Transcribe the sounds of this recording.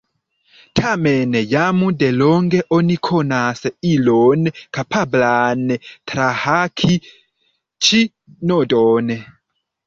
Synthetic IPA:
tʰamɛnɛjamudelɔŋɡeʔonikʰonaseilonkapʰablanɛt̪ɾahakʰi | t͡ʃi | nodɔːnɛ

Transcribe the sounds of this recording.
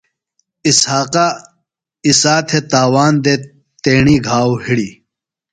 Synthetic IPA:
ishaːqa | isaːt̪ʰet̪aːwaːnd̪e | t̪eːɳiːɡʱaːwhiɽiː

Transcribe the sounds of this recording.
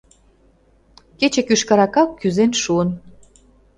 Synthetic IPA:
ket͡ɕĕkyʃkɑɾɑkɑkːyzenʃuən

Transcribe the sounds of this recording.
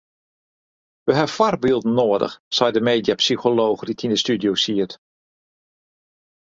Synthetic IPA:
ʋəɦɛfarbilˠdn̩ːoːədə̰xsɛjdəmeːdjapsixoloːxritʰindəstydjosiət

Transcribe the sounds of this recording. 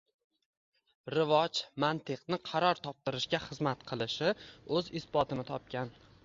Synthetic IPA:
ɾɪvɒd͡ʒmant̪ʰɨqnɪqʰɑɾɒɾt̪ʰɒp̚t̪ɪɾɪʃɡʲaχɨzmat̪qʰɨlˠɪʃɪɵzɪsbɒt̪ʰɪnɪt̪ʰɒp̚kʲan

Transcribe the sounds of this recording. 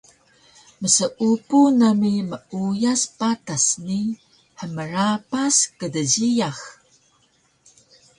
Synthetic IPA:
məsəʔupunəmiməujaspatasni | ħəməɾapaskədəzijax

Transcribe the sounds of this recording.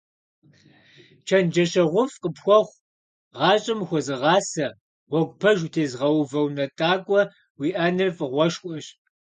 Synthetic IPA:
t͡ʃʰɐnd͡ʒɐɕɐʁʷʊfqəpxʷɔχʷ | ʁɑːɕʼɪmxʷɔzɨʁɑːsɐ | wɔɡʷpʰɐʒutʰeːzʁɐwvɐwnɐtʼaːkʷʼɔ | wiːʔɐnɨfʼɨʁʷɔʃkʷʼɔɕ

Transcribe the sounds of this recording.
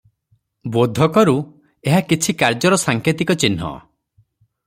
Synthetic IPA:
bod̪ʱɔkɔɾu | eɦakit͡ʃʰikaɾd͡ʒɔɾɔsaŋkʰet̪ikɔt͡ʃinɦɔ̰

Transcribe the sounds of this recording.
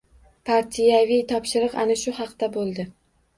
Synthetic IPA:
pʰaɾt̪ʰijavijt̪ʰɒpʃɪɾɨqa̰naʃʊhɑqt̪abolˠd̪ɪ

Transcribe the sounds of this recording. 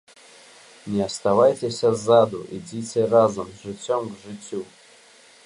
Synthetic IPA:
nʲɪɐst̪avajtʲɪsʲɐzad̪ʊʔidʲitʲɪrazumʐɨt͡sʲːomɡʐɨt͡sʲːu

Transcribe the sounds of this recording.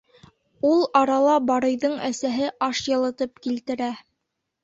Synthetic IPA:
ulˠɑɾɑlˠɑbɑɾɤ̆jðɤɴæsæɦɘʔɑʃjɤ̆lˠɤ̆t̪ɤp̚kilt̪ɘ̆ɾæ

